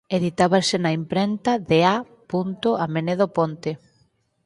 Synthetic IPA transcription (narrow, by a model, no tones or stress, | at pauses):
eðit̪aβasɪnaimpɾent̪aðea | punt̪ʊameneðopont̪ɪ